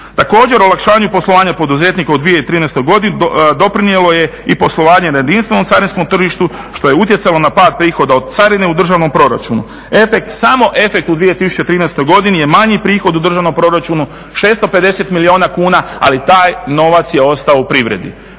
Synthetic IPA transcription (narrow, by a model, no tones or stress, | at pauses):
t̪ako̞ːd͡ʑe̞ɾolakʃaːɲupo̞slˠoʋaːɲapo̞d̪uze̞ːt̪nikaud̪ʋije̞it̪ɾiːnɛst̪o̞jɡo̞d̪ind̪o̞pɾinijelo̞je̞ipo̞slˠo̞ʋaːɲe̞najed̪inst̪ʋe̞no̞mt̪saɾinsko̞mt̪r̩ʒiʃt̪u | ʃt̪o̞je̞ut̪jesalo̞napaːd̪̚pɾiːxo̞d̪aod̪̚t̪saɾineud̪r̩ʒaʋno̞mpɾo̞ɾa̰t͡ʃunṵ | e̞fe̞kt̪samo̞ʔe̞fe̞k̚t̪ud̪ʋijet̪isu̥t͡ʃet̪ɾiːnɛst̪o̞jɡo̞d̪inije̞maɲipɾiːxo̞d̪ud̪ɾr̩ʒaʋnompɾo̞ɾat͡ʃunu | ʃe̞ːst̪o̞pe̞d̪e̞se̞t̪milio̞ːnakuːnaa̰lit̪aːjno̞ʋat̪sje̞o̞st̪aoupɾiʋɾe̞̰d̪ḭ